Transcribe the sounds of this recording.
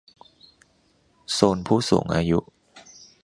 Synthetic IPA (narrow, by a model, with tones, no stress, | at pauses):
soː˧npʰuː˥˩sṵː˩˦ŋʔaː˧jṵ˦˥ʔ